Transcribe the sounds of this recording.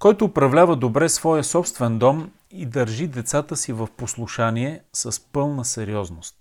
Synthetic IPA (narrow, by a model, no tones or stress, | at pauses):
kɔjt̪oːpɾɐvlʲavəd̪obɾɛsvɔjəsɔpst̪vɛnd̪ɔm | id̪əɾʒid̪ɛt̪sat̪əsivəfposlˠuʃaniɛsəspɤlˠnəsɛɾiɔznost̪̚